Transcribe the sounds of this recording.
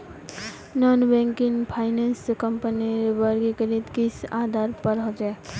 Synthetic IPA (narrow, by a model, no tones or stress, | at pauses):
nɔnbẽŋkiŋpʰaɪnenskəmpəniɾbəɾɡekəɾit̪kisad̪ʱaɾpəɾəd͡ʒɛ